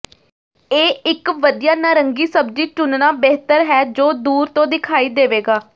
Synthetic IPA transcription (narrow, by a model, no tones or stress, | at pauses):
eːɪkʋəd̪ijaːnaːɾəŋɡiːsəb̚d͡ʒiːt͡ʃʊnnaːbɛɦt̪əɾɦɛːd͡ʒoːd̪uːɾt̪õːd̪ɪkʰaːiːd̪eːʋeːɡaː